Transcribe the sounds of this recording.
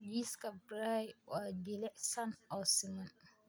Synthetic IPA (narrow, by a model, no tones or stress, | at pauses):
jiskabɾaad͡ʒelɛsanɔsɪŋãn